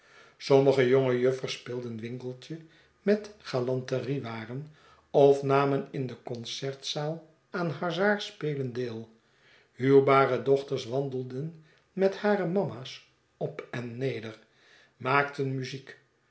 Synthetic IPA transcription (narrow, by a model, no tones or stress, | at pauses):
sɔməχəjoŋəjøfəɹspɪːlˠdənʋɪŋkəlˠtə | mɛtχaːlɑntəriʋaːrən | ɔfnaːmənɪndəkɔnsɛɹtsaːlˠ | aːnɦɑɹzaːɹspeːləndeːlˠ | hyːɹbaːrədɔχtəɹsʋɑndəlˠdən | mɛthaːɾəmɑmaːs | ɔpɛnːejdəɹ | maːktənmyzik